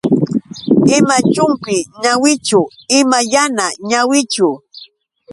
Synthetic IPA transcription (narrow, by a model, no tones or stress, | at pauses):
ɪmat͡ʃʊŋkɪɲawɪt͡ʃʊɪmajanaɲawɪt͡ʃʊ